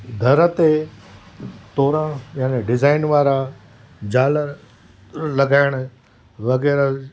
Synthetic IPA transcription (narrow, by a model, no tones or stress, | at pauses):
d̪ʱɐɾət̪e | t̪oːɾãjaːneɖɪzaːɪnʋaːɾa | d͡ʑaːlə | lɐɡaːɪɽ̃ʊ̆ | ʋɐɣɛːɾə